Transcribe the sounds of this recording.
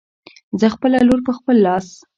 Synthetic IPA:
zəxpəlaloɾpəxpəlːɑs

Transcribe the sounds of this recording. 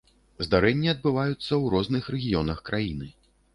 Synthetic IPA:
zd̪aɾɛnʲːiɐd̪̚bɨvajut̪sːɐwɾɔznɨxɾɛɣʲijɔnɐxkɾajinɨ

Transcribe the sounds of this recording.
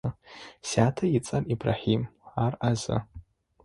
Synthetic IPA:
saːtʰajit͡sʼaribra̰ħimarʔaza̰

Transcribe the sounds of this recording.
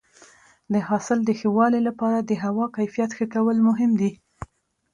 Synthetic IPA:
d̪əɦɑsɪld̪əxəwɑlelapɑɾad̪əɦawɑkajfijat̪xəkawəlmʊɦɪmd̪i

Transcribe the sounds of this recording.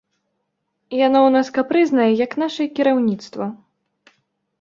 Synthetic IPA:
janɔwnaskapɾɨznɐjɛjɐkn̪aʂɐɛkʲiɾawnʲit̪st̪vɐ

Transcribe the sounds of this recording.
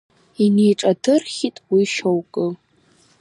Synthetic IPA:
inejʈ͡ʂʼadʰɨrχʲitʼwiʃowkʼɨ

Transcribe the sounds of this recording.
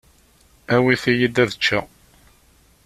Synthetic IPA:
æwiθijid̪æðət͡ʃːæ

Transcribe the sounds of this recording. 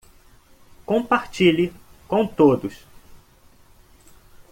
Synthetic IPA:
kõpaɾt͡ʃilɪkõw̃t̪od̪ʊs

